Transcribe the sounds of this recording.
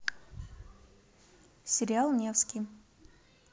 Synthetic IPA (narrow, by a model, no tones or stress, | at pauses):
sʲɪɾʲɪalˠnʲefskʲij